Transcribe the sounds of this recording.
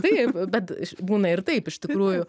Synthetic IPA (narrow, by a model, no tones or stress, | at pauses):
epbʲɛt̪ɪʃbuːnɐɪɾt̪eɪpɪʃt̪ɪkɾuːjʊ